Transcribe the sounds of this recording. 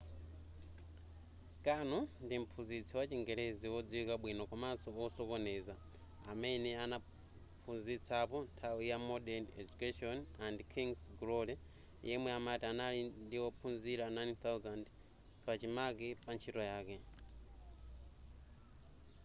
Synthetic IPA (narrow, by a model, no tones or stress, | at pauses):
kanɔndim̩pʰunzit͡sʰiwat͡ʃiŋɡɛɾɛziwɔd͡ziwikaɓwinɔkwamasɔɔsɔkɔnɛza | a̰mɛnɛana | pʰunzit͡sʰapɔntʰawijamɔdɛnɛd͡ʒukaʃɔnandkʰiŋsɡulɔlɛ | jɛmwɛamatianalindiwɔpʰunziɾanajnt̪awzand | pat͡ʃimak̬ipant͡ʃʰitɔjaːkɛ